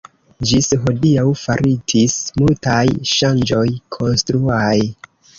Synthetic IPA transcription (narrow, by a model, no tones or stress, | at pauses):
d͡ʒisɦodiawfaɾʔitʰismultajʃand͡ʒo̞jkʰo̞nstɾuaj